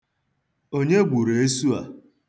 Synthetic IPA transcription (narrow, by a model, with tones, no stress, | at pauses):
o˦ɲe˦ɡ͡bʷu˨ɾe˨e˦su˦a̰˨